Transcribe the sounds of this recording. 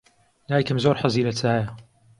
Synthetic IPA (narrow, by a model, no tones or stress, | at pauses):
naːjkɨmzoːɾħaziːlɐt͡sʰaːjɐ